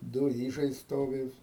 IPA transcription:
ˈdʊ ˈiːʒɐɪ ˈstoːʋʲɪ

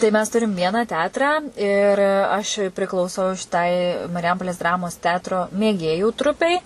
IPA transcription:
tɐɪ mʲɛs ˈtʊrʲɪm ˈʋʲiɛnɑː ˈtʲɛɐtrɑː ɪr ɐʃ pʲrʲɪklˠɐʊˈsɐʊ ʃʲɪˈtɐɪ mɐrʲɪˈjɛmpoːlʲeːs ˈdrɑːmoːs ˈtʲɛɐtroː mʲeːˈɡʲeːjuː ˈtrʊpʲɛɪ

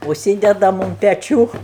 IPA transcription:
ʊʃʲˈsʲiːdʲɛdɐm ʊn pʲɛˈt͡ʃʲuː

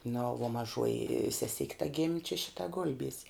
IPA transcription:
nʊ ʋuɔ mɐˈʒuɔjɪ sʲɛˈsʲɪkʲ tɐ ɡʲɪmʲ t͡ʃʲɛ ˈʃʲɪtɐ ˈɡʊlʲbʲiɛsʲɛ

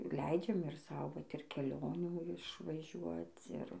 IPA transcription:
ˈlʲɛɪd͡ʒʲɛm ɪr ˈsɐʊ ˈʋɐt ɪr kʲɛˈlʲoːnʲuː ɪʃʋɐˈʒʲuɔt͡s ˈɪr

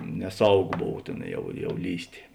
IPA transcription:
nʲɛˈsɐʊˌɡoː ˈboːw ˈtʲeːn jɛʊ ˈjɛʊ ˈlʲiːsʲtʲeː

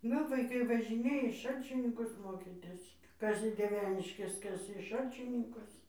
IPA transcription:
ˈnʊ ʋɐɪˈkɐɪ ʋɐʒʲɪˈnʲeːjɛ iː ˈʃɐlʲt͡ʃʲɪnʲɪŋkʊs ˈmoːkʲiːtʲɪs ˈkɐs iː dʲiɛˈʋʲæːnʲɪʃʲkʲɛs ˈkɐs iː ˈʃɐlʲt͡ʃʲɪnʲɪŋkʊs

